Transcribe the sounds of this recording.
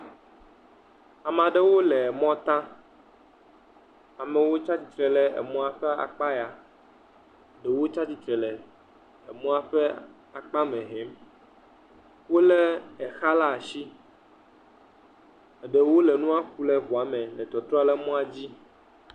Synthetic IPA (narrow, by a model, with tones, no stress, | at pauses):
a˨mã˨ɖe˦wo˦lɛ˨mɔ̃˦t̪ã˦ | a˨mɛ˨wo˦t͡ʃa˦t͡ɕi˨t̪ɾɛ˨lɛ˨ḛ˨mɔ̃˦a˨ɸɛ˦a̰˨k͡pa˦ja˨ | ɖɛ˨wo˦t͡ʃa˦t͡ɕi˦t̪ɾɛ˨lɛ˨ | e˨mɔ̃˦a˨ɸɛ˦ | a˨k͡pa˦mɛ̃˨ɦe˨˦m | wo˦le˦ɛ˨xa˦la˦˨ʃi˦ | e˨ɖe˨wo˦lɛ˨nũ˦a˦ku˦lɛ˦ɸu˨a˨mɛ̃˨lɛ˨t̪ɔ˨t̪ɾɔ˦a˦lɛ˦mɔ̃˦a˦d͡ʑi˦